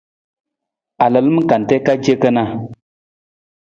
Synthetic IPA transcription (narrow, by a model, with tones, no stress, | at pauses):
a˨lə˨lmə˦ka˨n˨te˦ka˦d͡ʒe˦kə˦na˦